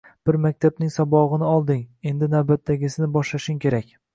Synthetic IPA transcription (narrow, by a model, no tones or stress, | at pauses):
b̥ɪɾmak̚ʲt̪ʰab̚nɪŋsɒbɒʁɨnɪɒlˠd̪ɪŋe̞nd̪ɪnawbat̪ːaɡʲɪsɪnɪbɒʃlaʃɪŋkʲʰe̞ɾakʲ